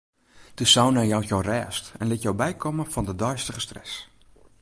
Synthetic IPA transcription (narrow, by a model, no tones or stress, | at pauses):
d̥əsawnɛjɔwtjowrɛːstɛnlɪtjowbɛjkʰɔməfɔndədɔjstəɣəstrɛ̰s